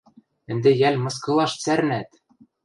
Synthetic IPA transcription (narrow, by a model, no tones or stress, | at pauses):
ɘ̆nd̪ĕjælʲmɤ̆skɤ̆lˠɑʃt͡sæɾnæt̪